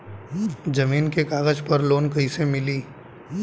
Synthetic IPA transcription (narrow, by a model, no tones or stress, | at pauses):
d͡ʒɐmiːnkekaːɡəd͡ʒpɐɾloːnkɐisemɪliː